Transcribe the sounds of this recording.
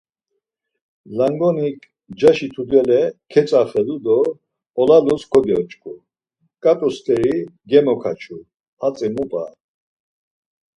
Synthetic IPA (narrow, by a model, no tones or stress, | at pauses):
laŋɡɔnikʼ | d͡ʒaʃit̪ʰud̪ɛlɛkʰɛt͡sʼaχɛlud̪ɔ | ɔlaluskʰɔd̪ɛɔt͡ʃʼkʼu | kʼat̪ʼɔst̪ʰʼɛɾiɡɛmɔkʰat͡ʃʰu | at͡sʼɛmupʼa̰